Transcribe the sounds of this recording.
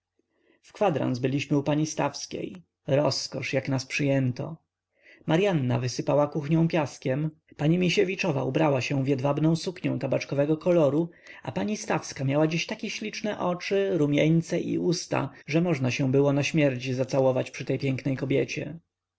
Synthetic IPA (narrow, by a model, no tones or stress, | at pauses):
fkfad̪ɾa̰nzbɘlʲiɕmɘupaɲist̪afskʲḛj | ɾɔskɔʂjaknaspʂɘjɛnt̪ɔ̰ | maɾjanːa̰vɘsɘpawakuxɲɔ̃w̃pʲjaskʲɛm | paɲimʲiɕevʲit͡ʂɔva̰ʔubɾawaɕɛ̃vʲjɛd̪vabnɔ̃w̃sukɲɔ̃w̃t̪abat͡ʂkɔvɛɡɔkɔlɔɾua̰paɲist̪afskamʲjawad͡ʑiɕt̪akʲɛɕlʲit͡ʂnɛʔɔt͡ʂɘɾumʲjɛɲt̪sɛʔḭust̪a̰ʐɛmɔʐnaɕɛ̃bɘwɔnaɕmʲjɛɾt͡ɕizat̪sawɔvat͡ɕpʂɨt̪ɛjpʲjɛŋknɛjkɔbʲjɛt͡ɕɛ̰